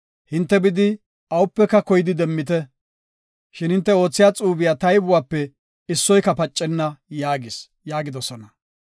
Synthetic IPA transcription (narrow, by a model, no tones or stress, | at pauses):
hɪnt̪ːɛbɪd̪ɪ | ʔɐwʊpːɛkːɐkɔjɪd̪ɪd̪ɛmːɪt̪ɛ | ʃɪnhɪnt̪ːɛo̞ːt͡sːɪjaːt͡sʼuːbɪjaːt̪ɐjbʊwaːpːɛ | ɪsːɔjkɐpɐt͡ʃʼːɛnːɐjaːɡɪs | jaːɡɪd̪ɔsɔnɐ